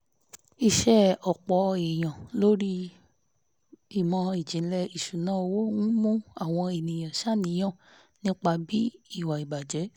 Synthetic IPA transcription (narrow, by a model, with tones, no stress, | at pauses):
i˧ʃɛ˦ɔ˨k͡pɔ˨e˨j̃ã˨lo˦ɾi˦ | i˨mɔ̃˧i˨d͡ʒĩ˨˦lɛ˧i˨ʃu˨nãː˨˦o˧wo˦ŋũ˦mũ˦a˦˨w̃ɔ̃˧e˨nĩ˨j̃ã˨ʃa˦˨nĩ˨˦j̃ã˦˨ | nĩ˦k͡pa˧bi˦i˦˨wa˨i˨ba˨d͡ʒɛ˨˦